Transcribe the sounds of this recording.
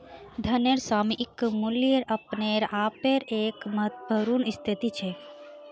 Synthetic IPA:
d̪ʱɐneɾsaːmiʔɪkmuljeɾɐpneɾaːpeɾeːkmɐt̪bʱəɾunist̪ʰit̪it͡ʃʰe

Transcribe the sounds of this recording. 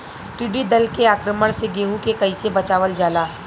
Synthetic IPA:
ʈ̪ɪɖid̪ɐlkeaːkɾəməɽ̃seɡeːɦũkekɐisebɐt͡ʃaːʋəld͡ʒaːlaː

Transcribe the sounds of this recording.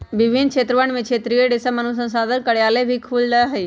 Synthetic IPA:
ʋɪʋʱɪnkʰeːt̪ɾəʋəɽ̃mẽkt͡ʃʰeːt̪ɾiːəɖɪsəmənus̬ə̃nsãːd̪əɾkəɽjaːlebʱikʰuːlnəɦei

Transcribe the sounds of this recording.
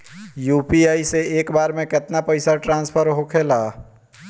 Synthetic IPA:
juːpiaːiseeːkbaːɾmẽkɪt̪napəɪsaʈɾãːnspʰəɾɦokʰelaː

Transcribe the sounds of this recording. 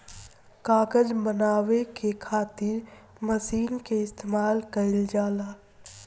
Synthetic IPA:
kaːkəd͡ʒbənaːʋekekʰaːt̪ɪɾ | məsiːnkeɪst̪emaːlkəɪld͡ʒaːlaː

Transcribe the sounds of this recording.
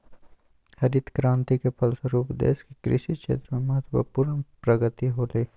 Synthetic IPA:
hɐɾit̪kɾãːnt̪ikepʰɐlsəɾuːpd̪ḛːskikɾɪ̰ʃit͡ʃʰḛːt̪ɾəmẽmɐɦət̪ʋə̰puːɾənpɾɐɡət̪iɦoːleː

